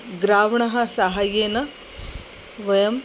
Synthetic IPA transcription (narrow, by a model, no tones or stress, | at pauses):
ɡɾaːʋɳɐɦɐsaɦajeːnɐ | ʋɐjɐm